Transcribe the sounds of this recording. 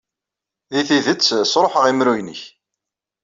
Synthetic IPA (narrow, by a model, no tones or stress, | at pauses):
ðiθiðət͡sːsɾˤoħəʁimɾujnəç